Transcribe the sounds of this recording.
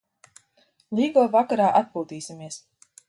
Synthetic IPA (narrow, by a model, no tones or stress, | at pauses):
lʲiːɡɔːvakaɾaːʔat̪̚pulˠt̪iːsʲimiɛs